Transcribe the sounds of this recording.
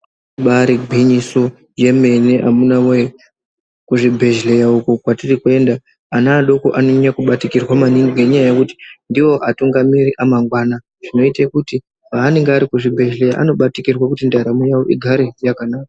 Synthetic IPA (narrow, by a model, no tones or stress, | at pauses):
ɓaɾibʱiɲiso | je̞me̞ne̞ʔamunawe | kuʐibʱe̞ʒle̞jaukukwatirikue̞ndaː | naːɗo̞koʔano̞ɲakuɓatikirwamaniŋɡiɡeɲajajekuti̥ndiwo̞ʔatuŋɡamiɾiʔamaŋɡwaːna | ʐ̥ino̞itekuti | paːne̞ŋɡeaɾikuʐibʱe̞ʒle̞ja̰ʔa̰no̞ɓatikirwakutindaɾamojawo̞ʔiɡʱaɾejakanaːka